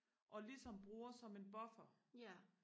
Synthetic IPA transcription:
ʔɒ̽lisɒ̽mb̥ʁuːɐsɒ̽me̝nb̥ɒ̽fɐ

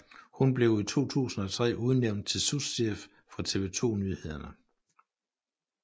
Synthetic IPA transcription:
hunb̥le̝ʊt͡sʰo̝̰ːt͡sʰṵːsn̩ɒ̽t͡sʰʁɛ̰ːʔuð̞ˠneʊ̰nd̥̚t͡sʰe̝lsusd̥ef | fʁɑ̈t͡sʰe̝ʋe̝t͡sʰo̝̰ːnyhe̝ð̞ˠɐnə

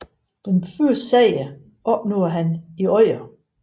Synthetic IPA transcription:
d̥enføɐssɛɪə | ʔɒ̽b̥noːɐɦæniɒɪ̰ɐ

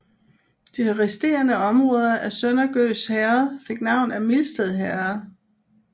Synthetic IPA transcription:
d̥iʁɛsd̥e̝̰ːɐnəɒ̽mʁʁɔ̽ːð̞ˠɐʔæsønɐɡ̥ø̰ːshæɐðfe̝ɡ̥nɑ̈ʊ̰næmilsd̥eðˠɦæɐð

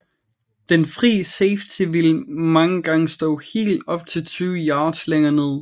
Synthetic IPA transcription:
d̥enfʁḭːseɪft͡sʰiʋilmɑ̈ŋəɡ̥ɑ̈ŋəsd̥ɔ̰̽ːhe̝̰ːld̥ɒ̽b̥̚t͡sʰe̝lt͡sʰyːʊəjɑ̈ːsleŋɐne̝ð̰ˠ

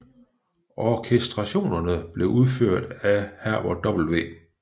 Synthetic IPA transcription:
ʔɒkʰesd̥ʁɑ̈ɕo̝̰ːnɐnəb̥le̝ʔuð̞ˠføɐ̰d̥æhæɐ̰ʋɒ̰d̥ɒ̽b̥l̩ʋe̝̰ː

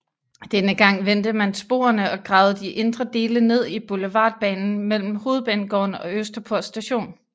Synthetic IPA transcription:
d̥enəɡ̥ɑ̈ŋ̰ʋend̥əmænsb̥o̝̰ːɐnəɒ̽ɡ̥ʁɑ̈ʊð̞̩ˠd̥iʔe̝nd̥ʁɐd̥e̝ːləne̝ð̞̰ˠib̥uləʋɑ̰̈ːd̥̚b̥ɛ̰ːnn̩mel̰m̩ho̝ːð̞̩ˠb̥ɛːnɡ̥ɒ̰ːnɒ̽øsd̥ɐpʰoɐsːd̥æɕo̝̰ːn

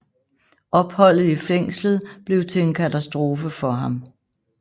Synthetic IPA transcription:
ʔɒ̽b̥hɒ̽l̰ð̩ˠifeŋ̰slð̩ˠb̥le̝ʊt͡sʰe̝enkʰæt͡sʰæsd̥ʁo̝ːfəfɒ̽ɦɑ̈m

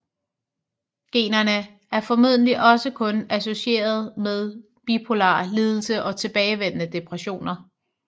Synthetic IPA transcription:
ɡ̥e̝̰ːnɐnə | æɐfɒ̽muð̞̰ˠn̩liʔɒ̽səkʰɔ̽næso̝ɕie̝̰ːɐð̞̩ˠmeð̞ˠ | b̥ipʰo̝lɑ̰̈ːliːð̞ˠl̩səʔɒ̽t͡sʰe̝b̥ɛːɪʋen̰nəd̥e̝pʰʁæɕo̝̰ːnɐ

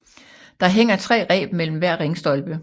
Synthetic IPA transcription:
d̥ɑ̈ɦeŋ̰ɐt͡sʰʁɛ̰ːʁɛ̰ːb̥mel̰m̩ʋæɐ̰ʁeŋsd̥ɒ̽lb̥ə

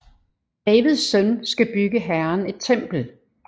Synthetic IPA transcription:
d̥ɛːʋið̞ˠsːœnsɡ̥æb̥yɡ̥əɦæɐne̝d̥̚t͡sʰem̰b̥l̩

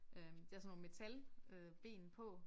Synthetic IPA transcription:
ʔød̥ɑsnɔ̰me̝t͡sʰæløb̥e̝̰ːn̩pʰɒ̽

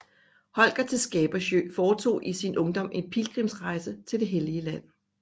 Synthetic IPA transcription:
hɒ̽l̰ɡ̥ɐt͡sʰe̝lsɡ̥ɛːb̥ɐɕø̰ːfɒːt͡sʰo̝̰ːʔisinʔɔ̽ŋd̥ɒ̽m̰e̝npʰilɡ̥ʁimsʁɑ̈ɪsət͡sʰe̝ld̥e̝ɦeliəlæn̰

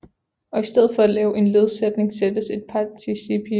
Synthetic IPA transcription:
ɒ̽isd̥eð̰ˠfɒ̽ælɛːʊʔe̝nle̝ð̞ˠsed̥ne̝ŋsed̥əse̝d̥̚pʰɑt͡sʰisipʰi

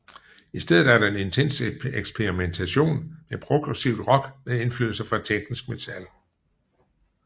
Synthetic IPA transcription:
isd̥eð̰̩ˠæɐɾɑ̈e̝ne̝nt͡sʰen̰seɡ̥spʰeʁiment͡sʰæɕo̝̰ːnmepʰʁo̝ɡ̥ʁɛsiʊ̰d̥ʁɒ̽ɡ̥mene̝nflyːð̩ˠsɐfʁɑ̥̈t͡sʰeɡ̥nisɡ̥met͡sʰæl

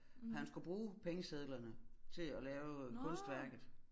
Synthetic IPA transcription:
ɦænsɡ̥ub̥ʁuːpʰeŋəseðˠlɐnət͡sʰe̝lælɛːʊkʰɔ̽nsd̥ʋæɐɡ̥ð̩ˠ

